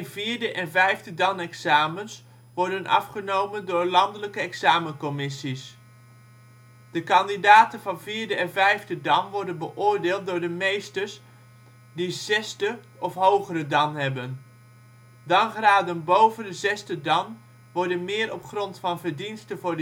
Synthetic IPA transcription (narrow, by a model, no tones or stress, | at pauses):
nviːɹdəʔɛnvɛjvdədɑnɛksaːməns | ʋɔɹdənʔɑ̰fχənowməndʊːɹlɑndələkəɛksaːmənkɔmɪsis | d̥əkɑndidaːtənvɑnviːɹdəɛnvɛjvdədɑnʋɔɹdənbəʔʊːɹdɪːlˠt̚dʊːɹdəmejstəɹs | dizɛsdə | ɔfɦowχərədɑnɦɛbən | dɑnχraːdənbowvəndəzɛsdədɑn | ʋɔɹdənmɪːɾɔpχrɔntfɑnvəɹdinstəvʊːɹd